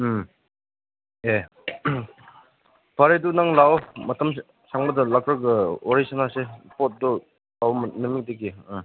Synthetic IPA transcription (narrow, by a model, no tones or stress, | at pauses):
e | paɾedunaŋlawmɐtʰɐm | saŋbɐdɐlakɾɯɡɯoɾisanasepɔt̚dɔ | lawmnɯmik̚deɡi